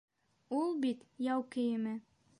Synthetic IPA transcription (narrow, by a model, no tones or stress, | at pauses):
ulˠbit̪jɑwkɘ̆jɘ̆mɘ